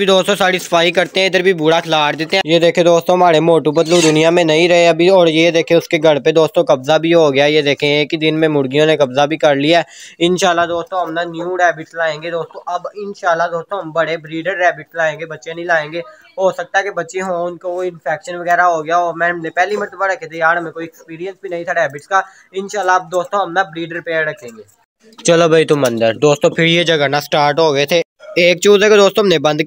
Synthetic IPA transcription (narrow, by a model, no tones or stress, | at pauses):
bʱid̪oːst̪õsaːɽisɐ̥faːɦikɐɾt̪ẽɦɛ̃ɪd̪əɾbʱibuːɽakʰlaːʈd̪eːt̪eɦɛ̃jed̪eːkʰẽd̪oːst̪õɦɐmaːɾemoːʈubɐd̪ləbd̪ʊnijamẽnɐɦĩɾɐɦeɐbʱiɔːɾjed̪eːkʰẽʊskeɡʱɐɽped̪oːst̪õkɐbzabʱiɦoɡjajed̪eːkʰẽeːkid̪ɪnmẽmʊɽɡijõnekɐbzabʱikɐɾlijaɛːɪnʃaːlːad̪oːst̪õɦɐmnanjuːɾɛːbɪʈslaːẽːɡed̪oːst̪õʔɐbɪnʃaːlːad̪oːst̪õɦɐmbɐɽebɾiːɖəɾːɛːbɪʈslaːẽːŋɡeːbɐtːʃẽnɐɦĩlaːẽːŋɡeː | ɦoːsɐk̚t̪aɦɛkebɐtːʃẽɦõːnkooɪ̃nfɛːkʃənʋɐɣɛːɾaɦoɡɐjaɔːɾmɛ̃ɦɐmnepɛɦlimɐɾt̪əbaɾɐkʰːet̪ʰejaːɽɦɐmẽkoːiɛkspiːɾijə̃nsbʱinɐɦĩt̪ʰaɾɛːbɪʈska | ɪnʃaːlːaɐb̚d̪oːst̪õɦɐmnabɾiːɖəɾpeːəɾɾɐkʰːẽːŋɡeː | t͡ʃɐlobʱɐit̪ʊmɐ̃nd̪əɾd̪oːst̪õpʰɪɾjed͡ʒɐɡanasʈaːɾʈɦoːɡɐet̪ʰe | eːk̚t͡ʃuːzɛked̪oːst̪õɦɐmnẽbɐ̃nd̪